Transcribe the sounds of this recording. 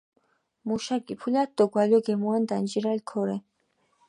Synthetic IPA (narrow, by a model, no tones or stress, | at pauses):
muʃaɡipʰulat̪ːoɡwaloɡemwand̪and͡ʒiɾalkʰoɾɛ